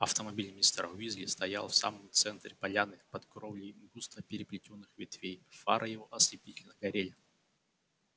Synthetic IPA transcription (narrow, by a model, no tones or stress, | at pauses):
ɐft̪əmɐbʲilʲmʲɪst̪ɾɐ̰ʊizlʲɪst̪ɐjalˠfsa̰məmt̪sɛnt̪ɾʲɪpɐlʲanɨpɐt̪kɾovlʲɪmɡust̪vəpʲɪɾʲɪplʲɪtʲonːɨxvʲɪt̪vʲejfa̰ɾʔəjɪvoʔɐslʲɪpʲitʲɪlʲnəɡɐɾʲelʲɪ